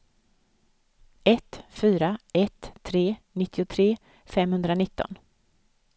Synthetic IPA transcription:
ɛt̪fyːɾaɛt̪ʰːɾeːnɪt̪ʰːɪʊt̪ʰɾeː | fɛmhɵnd̪ɾanɪt̪ːɔ̰n

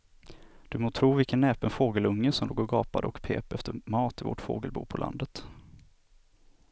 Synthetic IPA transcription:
d̪̥ɵmoːt̪ʰɾuːvɪlkənːɛːpənfoːɡəlɵŋːəsɔmloːɡɔɾɡɑːpad̪əɔkpʰḛːpɛft̪əɾmɑːt̪ɪvɔ̰ʈfo̰ːɡəlbṵːpʰɔla̰nd̪ət̪

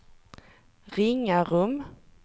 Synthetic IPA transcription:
ɾɪŋːaɾɵm

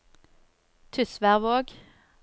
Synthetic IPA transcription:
t̪ʰʏsʋæʁʋoːɡ

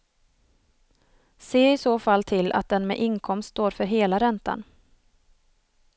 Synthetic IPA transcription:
seːɪsoːfalːt̪ʰɪlːʔa̰t̪̚d̪ɛnmɛ̰ʔɪŋkʰɔmsst̪oːɾfœɾɦeːlaɾɛnt̪a̰n

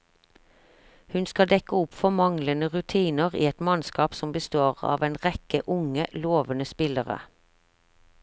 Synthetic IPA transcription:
hʉnskɑd̪ɛkəʊpfɔmɑŋlənəʁʉt̪ʰiːnəʁḭːɛt̪mɑnskɑːpsɔmbəst̪oːʁɑ̰ːʋeːnʁɛkəʔʊŋəloːʋənəspɪləʁə̰

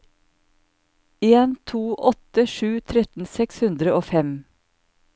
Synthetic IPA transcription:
eːnt̪ʰuːʔɔt̪əʃʉːt̪ʰɾɛt̪n̩sɛkshʉnd̪ɾəoːfɛm

